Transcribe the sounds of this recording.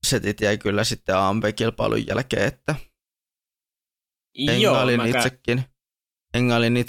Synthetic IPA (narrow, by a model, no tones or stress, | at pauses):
set̪it̪jæikylːæsit̪ːeɑːmpekilpɑ̰ḭlʔṵjjæ̰lkḛːet̪ːæ | eŋæolinniːt̪sekːin | eŋːæolinːiːt̪